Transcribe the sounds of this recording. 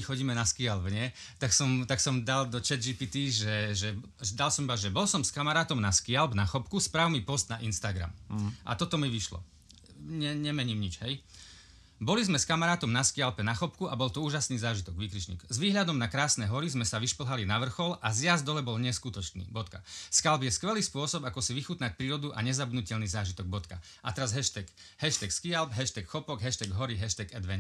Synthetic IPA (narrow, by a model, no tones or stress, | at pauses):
ixɔɟiːmɛnaskialbɲɛt̪aksɔmt̪aksɔmd̪ald̪ɔt͡ʃɛd̪d͡ʒipit̪iʒɛʒɛ | d̪alsɔmbazʒɛbɔlsɔmskamaɾaːt̪ɔmnaskialbnaxɔpkuspɾaːʊmipɔst̪̚naʔinst̪aɡɾa̰mʔa̰t̪ɔt̪ɔmiʋiʃlɔ̰ | ɲɛɲɛmɛɲiːmɲit͡ʃɦɛj | bɔlizmɛskamaɾaːt̪ɔmnaskialpɛnaxɔpkuabɔlt̪ɔuːʒasniːzaːʒit̪ɔɡʋiːkɾit͡ʃɲḭːɡzʋiːɦʎad̪ɔmnakɾaːsnɛːɦɔɾizmɛsaʋiʃpl̩ɦalinaʋr̩xɔlʔazjazd̪ɔlɛbɔlɲɛskut̪ɔt͡ʃnḭːbɔt̪kaskalbjɛskʋɛliːspʊɔsɔbakɔsiʋixut̪nac̚pɾiːɾɔd̪uʔa̰ɲɛzab̪nucɛʎniːzaːʒit̪ɔɡ̚bɔt̪ka | ʔat̪ɛɾazɦɛʃt̪ɛk | hɛʃt̪ɛkskialbɦɛʃt̪ɛkxɔpɔɡɦɛʃt̪ɛɡɦɔɾiɦɛʃt̪ɛɡɛd̪ʋɛɲ